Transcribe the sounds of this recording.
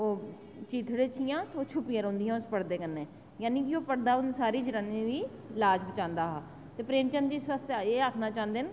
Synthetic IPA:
oː | t͡ʃiːt̪ʰɽeːt͡ʃʰijãːoːt͡ʃʰʊpɪjãːɾõːnd̪ɪjãːʊspəɽd̪eːkənːeː | jaːniːk̬ioːpəɽd̪aːʊnsaːɾiːd͡ʒəɾəniʋiː | laːd͡ʒbət͡ʃãːnd̪aːɦaː | t̪eːpɾeːmt͡ʃənd̪iːswaːst̪ːeːakʰnaːt͡ʃãːnd̪eːn

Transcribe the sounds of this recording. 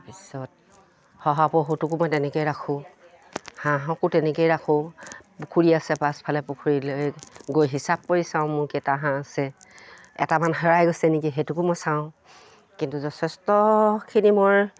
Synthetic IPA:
pisɔt̚ | hɔɦapɔɦutukʊmɔjtɛnɛkojɹakʰʊ̃ | hãɦɔ̃kʊtɛnɛkejɹakʰʊ̃pukʰuɹiasɛpaspʰalɛpukʰuɹilojɡojɦisab̚koɹisãʊ̃mʊɹketaɦãasɛ | ɛ̰tamanɦɛɹajɡojsɛnik̬iɦetukʊmɔjsaʊ̃ | kintuzɔtʰɛstɔkʰinimoj

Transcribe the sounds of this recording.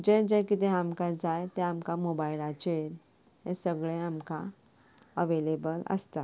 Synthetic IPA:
d͡ʑẽd͡ʑekit̪eamkad͡zajt̪eamkamobajilat͡ɕeɾ | ɦẽsəɡɭẽamkã | əʋelebələ̰st̪a

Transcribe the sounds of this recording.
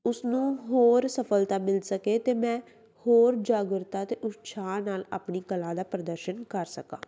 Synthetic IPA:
ʊsnũːɦoːɾsəfʰəlt̪aːmɪlsəkeːt̪eːmɛ̃ː | hoːɾd͡ʒaːɡəɾt̪aːt̪eːʔʊt̪sʰaːnaːlaːpɳiːkəlãːd̪aːpɾəd̪əɾʃənkəɾsəkã̰ː

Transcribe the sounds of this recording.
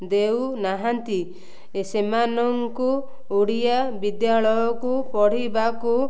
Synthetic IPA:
d̪ewnaɦant̪i | esemanɔŋku | uɽijabid̪jaɭɔjɔkupɔɽ̤ibaku

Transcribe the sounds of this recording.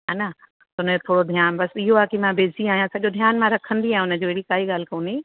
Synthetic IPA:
ana | t̪ʊnt̪ʰoːɽod̪ʱijaːnbɐsɪɦoaːkemãbeːziaːɦijãsɐʄod̪ʱjaːnmãɾɐkʰə̃nd̪iaːɦj̃ʊnə̆d͡ʑoːɦeɽikaːɦiɠaːl̤ɪ̆koːniː

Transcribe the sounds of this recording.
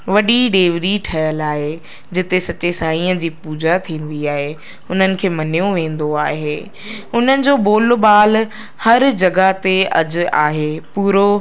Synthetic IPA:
ʋɐɗiɗeːʋɾiʈʰɐjəlaːɦe | d͡ʑɪt̪esɐt͡ɕesãːĩːə̃d͡ʑiːpuːd͡ʑat̪ʰĩːn̆d̪iaːɦe | ʊn̤ənɪ̆kʰeːmɐnijũʋẽːn̆d̪oaːɦeː | ʊn̤ənɪ̆d͡ʑoːboːlbaːl | hɐɾd͡ʑɐɡat̪eɐ̰d͡ʑʊ̆a̰ːɦeːpuːɾo

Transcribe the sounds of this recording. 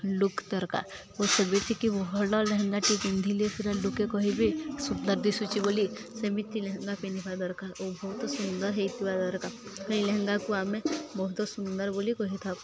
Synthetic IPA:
lukd̪əɾka̰ɾ | osəbit̪ʰikibɔɦɔlaleɦə̃ŋɡaʈikind̪ʱiliesiɾalukekɔɦibʱisund̪əɾd̪isut͡ʃibolisəmit̪ʰːileɦɛ̃ŋɡapinipʰad̪əɾkaɾobɔɦut̪sund̪əɾɦɛit̪ibad̪əɾkakəileɦɛ̃ŋɡakuamẽbɔɦut̪ɔsund̪əɾbolikɔɦit̪ʰa

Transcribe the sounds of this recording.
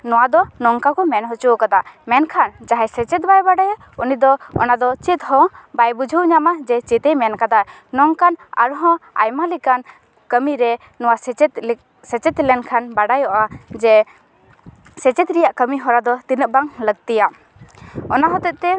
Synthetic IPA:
nɔwad̪ɔnɔŋkakɔmɛnɦɔt͡ʃukad̪amɛnkʰand͡ʒaɦɛjsɛt͡ʃɛt̪̚bajbaɖaja | unid̪ɔɔ̰nad̪ɔt͡ʃit̪ɦɔ̃bajbud͡ʒʱəwɲamad͡ʒɛt͡ʃit̪ɛjmɛnkad̪a | nɔŋkana̰ɾɦɔ̃a̰jmalikan | kəmiɾɛ | nɔwasɛt̪ | sɛt͡ʃɛt̪lɛnkʰanbaɖajɔʔad͡ʒɛ | sɛt͡ʃɛt̪ɾijaʔkəmiɦɔɾad̪ɔt̪inəʔ̚baŋləɡ̚t̪ija | ɔnaɦɔt̪ɛʔ̚t̪ɛ

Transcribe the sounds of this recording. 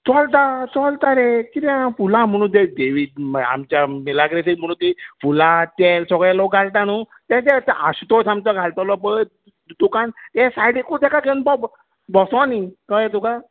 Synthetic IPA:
t͡sɔlt̪at͡sɔlt̪aɾekiɾãfulãm̤əɽ̃ũt̪̬ed̪eʋid̪̚ma̰mt͡ɕjamilaɡɾesikm̤əɽ̃ũt̪ifulat̪ɛlsɔɡɭɛlɔkɡalt̪añu | t̪at͡ɕɛt̪ʔast̪ɔsãmt̪ɔɡʱalt̪ɔlɔpə | d̪ukant̪ɛsajɽikud̪akaɡenbɔ | bɔsɔ̃nikəjɛt̪uka

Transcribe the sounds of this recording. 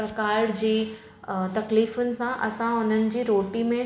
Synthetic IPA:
ɐkaːɾɽd͡ʑiː | t̪ɐkliːfʊnɪ̆sãʔɐsãʊn̤ənɪ̆d͡ʑiːɾoːʈimẽ

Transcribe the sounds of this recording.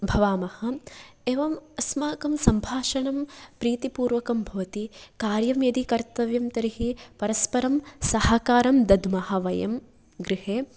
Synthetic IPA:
bʱɐʋaːmɐhɐeːʋɐmɐsmaːkɐmsɐmbʱaːʃɐɳɐmpɾiːt̪ipuːɾʋɐkɐmbʱɐʋɐt̪ikaːɾjɐmjɐd̪ikɐɾt̪ɐʋjɐmt̪ɐɾiɦipɐɾɐspɐɾɐmsɐɦaːkaːɾɐmd̪ɐd̪ʱmɐɦɐʋɐjɐm | ɡɾɪɦeː

